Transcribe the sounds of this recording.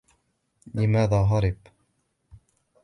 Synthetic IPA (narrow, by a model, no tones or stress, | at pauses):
lɪmaːðaːɦɑɾˤɪb